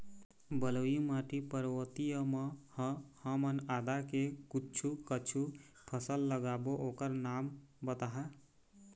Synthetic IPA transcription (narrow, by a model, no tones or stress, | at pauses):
bəlojumaʈipəɾwət̪ijəmʌhʌ̃həmənad̪akekutːt͡ʃʰukət͡ʃʰu | pʰəsəlːəɡaboʔokəɾnambət̪aɦə